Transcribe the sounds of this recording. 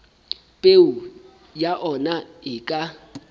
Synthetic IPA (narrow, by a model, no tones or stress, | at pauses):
pʼeʊ | jaʔɔna | ɪkʼa